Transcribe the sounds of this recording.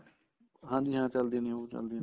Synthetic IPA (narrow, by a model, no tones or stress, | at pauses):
ɦãːd͡ʒ̪iːɦãːt͡ʃəld̪ĩnĩõt͡ʃə̰ld̪ĩ